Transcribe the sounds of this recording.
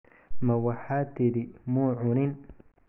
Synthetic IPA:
mɐwɑħaːt̪ʰɪɾimuʕʊnɪn

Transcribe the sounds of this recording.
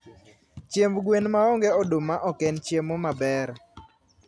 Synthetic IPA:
t͡ʃjembɡwenmaɔŋɡɛɔdomaʔɔkɛnt͡ʃjemomabɛɾ

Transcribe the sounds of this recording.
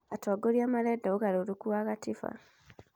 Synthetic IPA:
ataɡoɾiamaɾɛdaoɣaɾoɾukuaːɣatifa̰

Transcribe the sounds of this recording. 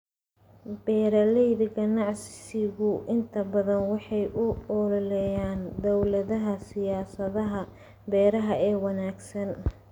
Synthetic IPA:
bɛːɾɐlɛjðɐɡɐnɑʕssɪɣʊʔɪnt̪ʰɐbɐðɐnwɑħɑjʔʊɔllɛjaːnd̪ɔwlɐðɐɦɐsɪjaːsɐðɐɦɐ | bɛːɾɐɦɐɛːwɑnaːɡsɐn

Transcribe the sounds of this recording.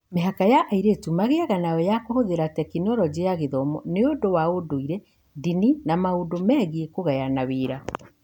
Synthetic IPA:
meɦakajaʔaiɾetumaɣeaɣanaɛjakohoðeɾatɛkinɔɾɔd͡ʑejaɣeðɔmɔneodowaodoiɾɛ | dininamaodomɛːɣiekoɣɛjanaweːɾa

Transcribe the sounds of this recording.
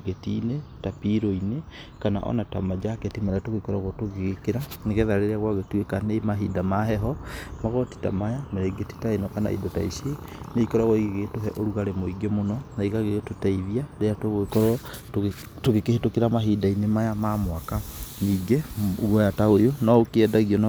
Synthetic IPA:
ɡetḭnetapiɾoine | kana̰ʔɔ̰natamad͡ʒaketimaɾeatoɣeikɔɾaɣɔtoɣeɣekeɾaneɣɛðaɾeɾeaɣwaɣetuekanemaɦidamaɦɛɦɔmaɣɔti̥ta̰majameɾeiɡeti̥taenɔkana̰ḭdɔta̰isie | neikɔɾaɣɔiɣeɣetoɦɛʔoɾuɣaɾemoiɡɛmonɔnaiɣaɣeɣtotaiðiaɾeatoɣkɔɾ | toɣekehetokeɾamaɦidainemajamamwakaniːɡeoɣɔjataojonɔokeɛdaɣiɔn

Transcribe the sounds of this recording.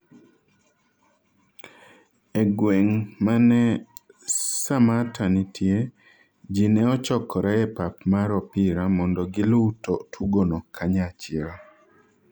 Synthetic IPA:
ɛɡweŋmanɛ | samatʰanitʰje | d͡ʒinɛɔt͡ʃɔkɔɾaɛpapmaɾɔpɪɾamɔndɔɡɪlʊutotʰuɡonɔkʰaɲat͡ʃɪɾa

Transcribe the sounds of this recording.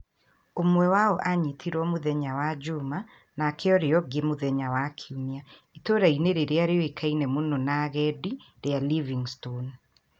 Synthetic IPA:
omwɛwaɔʔaɲitʰiɾwɔmuðɛɲawad͡ʒuma | nakʰeɔɾeɔɡemuðɛɲawakʰiumiaitoɾaineɾeɾeaɾeɔekʰainɛmononaɣɛdi | ɾealiviŋston

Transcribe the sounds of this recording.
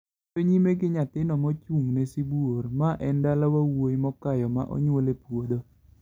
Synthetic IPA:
toɲimeɡɪɲat̪ɪnɔmɔt͡ʃuŋnɛsibuormaʔɛndalawawojmɔkajɔma̰ʔɔ̰ɲwolepwod̪o

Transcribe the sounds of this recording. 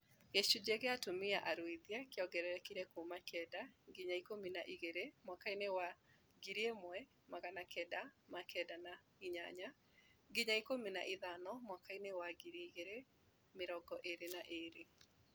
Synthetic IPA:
ɣeʃud͡ʑeɣeatomiaʔaɾwiðiakjɔɡɛɾɛɾɛkiɾɛkumakɛdaŋɡiɲaikominaʔiɣeɾemwakainewa | ɡiɾiemwɛ | maɣanakɛdamakʰɛdana | iɲa̰ɲa | ɡiɲaikomina̰ʔiðanɔmwakainewaɡiɾeiɣeɾe | meɾɔɡɔʔeɾenaʔeɾe

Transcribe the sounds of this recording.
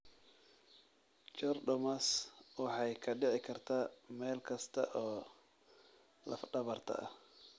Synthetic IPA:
t͡ʃɔrɖɔmɐswɑħɑjkʰɐɖɪʕɪkʰɐrt̪ʰaːmɛːlkʰɐst̪ʰɐ̰ʔɔː | lɐ̰fɖɐβɐrt̪ʰɐ̰ɐ

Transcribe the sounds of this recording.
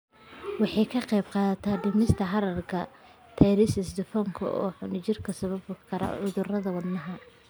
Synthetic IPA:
wɑħɑjkʰɐqɛjbqɑːðɐt̪ʰaːɖɪmɪst̪ʰɐħɑɾɐrkʰɐ | t̪ʰɛɾɪsɪsd̪ɪfɔŋkʰɐ̰ʔɔ̰ːħʊnɪt͡ʃɪrkʰɐsɐβɐbkʰɐɾɐ̰ʕʊðʊrɐðɐwɐd̪nɐɦɐ

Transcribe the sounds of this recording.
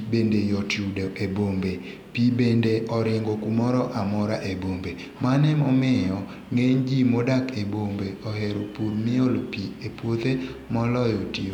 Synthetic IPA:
bendejɔtjudeʔebombe | pibendeʔɔɾɪŋɡokumɔɾɔʔamɔɾaʔebombe | manɛmɔmɛjɔ | ŋeɲd͡ʒimodakebombeɔheɾopuɾmɪolpiepwot̪emɔlɔjɔti

